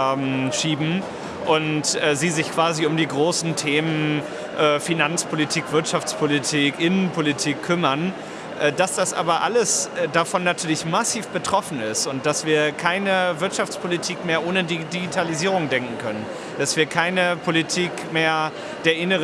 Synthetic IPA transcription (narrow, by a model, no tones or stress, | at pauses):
ʃiːbm̩ | ʔʊntʔɛziːzɪçkv̥aːziʊmdiːɡʁoːsn̩tʰeːmən | ʔɛːfinant͡spʰolitʰiːkv̥ɪɐtʃaft͡spʰolitʰiːkʔɪnənpʰolitʰiːkʰːʏmɐn | ʔɛːd̥asd̥asʔa̰ːbɐʔa̰ləsdafɔnːatʰyːɐlɪçmasiːfb̥ətʁ̥ɔfn̩ɪstʊnt̚d̥asv̥iːɐkʰaɪnəvɪɐtʃaft͡spʰolitʰiːkmeːɐʔoːnədidiɡitʰaliziːʁ̞ʊŋdɛŋkŋ̩kʰœnən | d̥asv̥iːɐkʰaɪnəpʰolitʰiːkmeːɐ | d̥eːɐʔɪnəʁ